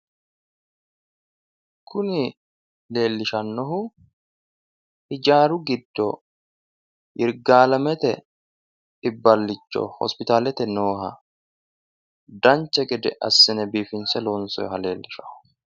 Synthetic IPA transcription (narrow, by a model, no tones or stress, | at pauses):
kʰʊnɪ | le̞ːlːɪʃɐnːɔɦʊ | hɪd͡ʒaːɾʊɡɪd̪ːɔ | ʔɪɾɡaːlɐmɛt̪ɛ | ɪbːɐlːɪt͡ʃːɔ̰hɔ̰spɪt̪aːlɛt̪ɛnoːɦɐ | d̪ɐnt͡ʃːɛɡɛd̪ɛ̰ʔɐsːɪnɛbiːfɪnsɛlɔnsɔ̰jɦɐle̞ːlːɪʃɐ̥hʊ